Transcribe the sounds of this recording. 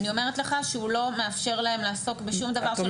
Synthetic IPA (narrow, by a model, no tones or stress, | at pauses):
nio̞me̞ʁet̪le̞χaʃeulo̞meafʃe̞ʁlae̞mlaːso̞kbeʃumd̪avaʁʃ